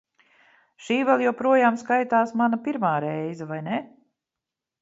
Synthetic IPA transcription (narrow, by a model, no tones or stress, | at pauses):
ʃiːvɛlˠjawpɾuɔjaːmskajt̪aːsmanapiɾmaːɾɛjzɛvajne